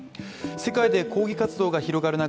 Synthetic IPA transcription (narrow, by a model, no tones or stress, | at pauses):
se̞kaid̪e̞ko̞ːɡʲikat͡sɨd̪o̞ːɡaçiɾo̞ɡaɾɯ̟na